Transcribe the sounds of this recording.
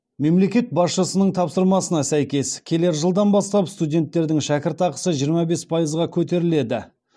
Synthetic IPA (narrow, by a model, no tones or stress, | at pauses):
me̞mle̞kʲe̞t̪̚bɑsʃəsənəɴt̪ʰɑpsəɾmɑsənɑsæjkʲe̞skʲʰe̞le̞ɾʒəlˠd̪ɑnbɑst̪ɑpst̪udʲe̞nt̪ːe̞ɾd̪ɪŋʃækʲɪɾt̪ɑqə̥səʒijəɾmɑbe̞spʰɑjəzʁɑkʲʰɵt̪̬e̞ɾɪle̞d̪ɪ